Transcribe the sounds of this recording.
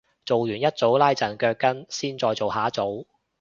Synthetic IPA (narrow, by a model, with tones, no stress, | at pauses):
t͡so˨wjyː˨˩njɐ˥t̚t͡so˨˥wlaː˥jt͡sɐ˨˩nkœː˧kːɐ˥nsiː˥nt͡sɔː˧jt͡so˨whaː˨˥t͡so˨˥w